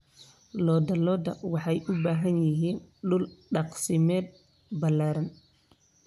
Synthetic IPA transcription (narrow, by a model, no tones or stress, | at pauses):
lɔːd̪ɐlɔːd̪ɐ̰wɑħɑjʔʊbaːɦɐnjɪɦiːnɗʊlɗɑqsɪmɛːd̪̚ | bɐlaːɾɐn